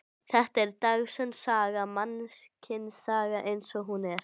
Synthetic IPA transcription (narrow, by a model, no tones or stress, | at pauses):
θɛht̪ɛɾt̪aɣsɛmsaːɣamanscʰɪnsaːɣaʔejnsɔɣɦunɛɾ̥